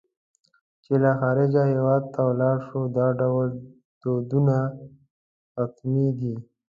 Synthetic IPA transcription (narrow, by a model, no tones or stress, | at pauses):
t͡ʃelaxaːɾɪd͡ʒaɦewaːd̪̚t̪awlɑːɽʂod̪aːɖawl | d̪̥od̪una | kat̪mid̪i